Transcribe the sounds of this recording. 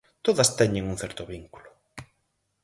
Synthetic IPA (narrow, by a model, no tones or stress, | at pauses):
t̪oðɐst̪ɛɲeŋuŋθɛɾt̪ʊβiŋku̥lʊ̥